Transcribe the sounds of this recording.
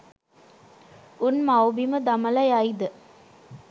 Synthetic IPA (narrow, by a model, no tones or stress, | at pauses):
unmɐwbiməd̪ɐmɐlɐjɐjd̪ɯ